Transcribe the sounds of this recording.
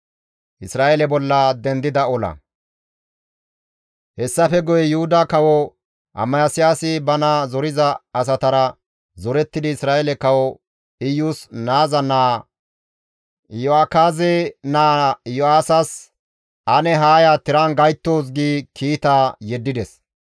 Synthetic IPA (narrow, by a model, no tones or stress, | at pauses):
ʔɪsɾaːʔɛlɛbɔlːɐd̪ɛnd̪ɪd̪ɐɔlɐ̰ | hɛsːɐfɛɡʊjɛjʊhʊd̪ɐkɐwɔ | ʔɐ̰mɐjasɪjaːsɪbɐnazɔɾɪzɐɐs̬ɐt̪ɐɾɐ | zɔɾɛt̪ːɪd̪ɪːsɾaːʔɛlɛkɐwɔ | ɪjːusnaːzɐnaː | jɔakːaːzɛnaːjɔaːsɐs | ʔɐnɛɦaːjat̪ːɪɾanɡɐjt̪ːoːs̬ɡiːkʰiːt̪aːjɛd̪ːɪd̪ɛs